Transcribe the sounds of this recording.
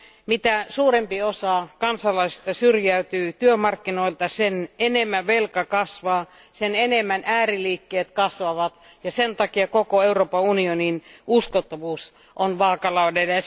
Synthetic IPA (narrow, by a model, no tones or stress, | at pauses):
mit̪æsuːrempiosɑkɑnsɑlɑist̪ɑsyrjæyt̪yːt̪yømɑrkːinoilt̪ɑsenenemːæʋelkɑkɑsʋɑː | senenemːænʔæːriliːkːeːt̪kɑsʋɑʋɑt̪ | jɑsent̪ɑkiɑkokoeuroːpɑunioninuskot̪ːoʋuːs | ʔonʋɑːkɑlɑudelɑ